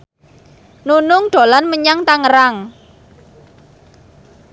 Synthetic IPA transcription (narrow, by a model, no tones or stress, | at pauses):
nunʊŋɖ̪̥o̤lanməɲaŋt̪aŋəɾaŋ